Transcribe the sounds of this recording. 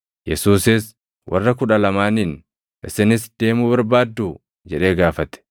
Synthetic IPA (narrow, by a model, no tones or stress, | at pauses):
jɛsuːsɪs | wʔɐ̰rːɐkʊᶑɐlɐmaːnin | ʔɪsɪnɪsd̪̥e̞ːmʊbɐɾbaːd̪ːuː | d͡ʒɛᶑe̞ːɡaːfɐt̪ɛ̥